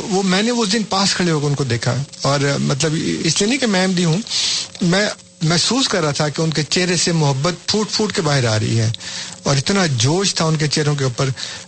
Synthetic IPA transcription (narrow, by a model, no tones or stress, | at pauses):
ʋomɛ̃ːneʊsd̪ɪnpaːskʰɐɭeɦokeʊnkod̪eːkʰa̰ɔːɾmɐt̪̬ləbɪslienɐĩkemɛ̃ːmd̪iɦũmɛ̃ː | mɛɦsuːskɐɾːaat̪ʰakeʊnket͡ʃeɦɾesemʊɦəbːət̪fʰuːʈfʰuːʈkebaːɦɪɾa̰ːɾɐ̰ɦḭɦɛːɔːɾɪt̪nad͡ʒoːʃt̪ʰaʊnket͡ʃɛːɾõk̬euːpəɾ